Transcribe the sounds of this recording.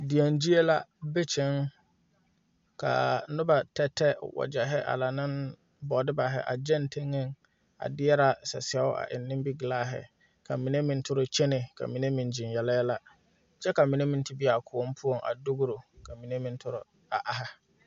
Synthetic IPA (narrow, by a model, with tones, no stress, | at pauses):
di˨a˨nd͡ʒi˦e˦la˦be˦t͡ʃʰɪ˦ŋ | kʰa̰˨˦nʊ˦ba˨tɛ˦tːɛ˦wɔ̰˨d͡ʒɛ˨ɦɛ˦ʔa̰˨la˨nɪ̃˦n | bɔ˨dɪ˦ba˨ɦɛ̰˦ʔa̰˨d͡ʒɛ˦ntʰe˦ŋe˦˨ŋ | a̰˨dɪ˦ɛ˦ɾa˨sɛ̰˨sɛ˦ʊ˦a̰˨ʔɪ̰˨nːɪ̃˦mbi˦ɡɪ˨laː˦ɦɪ̰˨ | kʰa˨mĩ˨ne˦mĩ˨n˦tʰʊ˦ɾʊ˨t͡ʃʰe˦nɪ˨kʰa̰˨mĩ˨ne˦mĩ˨n˨d͡ʒĩ˨njɛ˨lɛ˦la˦ | t͡ʃɛ˦ka˨mĩ˨ne˦mĩ˨n˦tɪ˦bi˦a˨kʰʊ˨o˦m˦pʰu˦o˨ŋʔa̰˨dʊ˦ɡʊ˦ɾo˨kʰa˨mĩ˨ne˦mĩ˨n˦tʰʊ˦ɾʊ̰˦ | a˨ʔa˨ɦa˦